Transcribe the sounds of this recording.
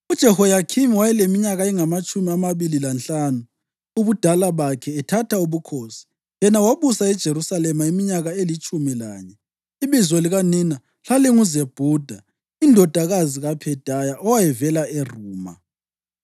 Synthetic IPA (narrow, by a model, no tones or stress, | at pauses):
ud̥ʒ̥ʱɛhɔjakʰimiwajɛlemiɲaɣaɛŋamat͡ʃʼumiamaβililanɬanu | uβud̥ʱalaβakʰɛːtʰatʰauβukʰoːsi̥ | jɛnawaβusaɛd̥ʒ̥ʱeɾusalɛmaimiɲaɣaelit͡ʃʼumila̰ːɲɛ | iβizwɛliɣanina | ɬaliŋuzeb̥ʱud̥ʱa | indʱɔd̥ʱaɣaziɣapʰɛd̥ʱajaʔɔwajɛvɛlaɛruːma̰